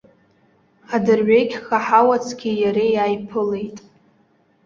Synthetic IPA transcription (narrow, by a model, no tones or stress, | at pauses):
adɨrʕʷekʲʰχaħawat͡sʰɡʲijaɾejajpʰɨlejtʼ